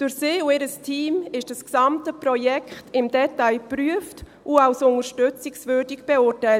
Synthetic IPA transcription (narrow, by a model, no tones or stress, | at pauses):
d̥ʊɾsɪːʊɪɾəstʰiːmɪʃd̥asksɑmtəprɔjɛkχtɪmd̥ɛtaɪpɾyəft | ʔʊawsʊnəɾʃtʏt͡sɪksvøːdiɡb̥eʊtaɪlt